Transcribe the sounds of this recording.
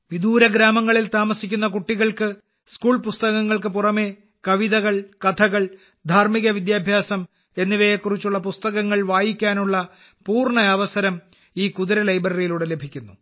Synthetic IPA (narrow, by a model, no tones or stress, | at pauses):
ʋid̪ʱuːɾɐɡɾaːmɐŋːɐɭilt̪aːmɐsikʲːun̪ːɐkuʈːiɣɐɭkɨ | skuːɭpust̪ɐɣɐŋːɐɭkɨpurɐme̞ː | kɐʋiðɐɣɐɭkɐt̪ʰɐɣɐɭ | d̪ʱaːrmiɣɐʋid̪jaːbʱjaːsɐm | e̞nːiʋɐjekːurit͡ɕːuɭːɐpust̪ɐɣɐŋːɐɭʋaːjikʲːaːnuɭːɐ | puːrɳɐjaːʋɐsɐɾɐm | iːkuðuɾɐlɐjbrɐrijiluːɽele̞bʱikʲːunːu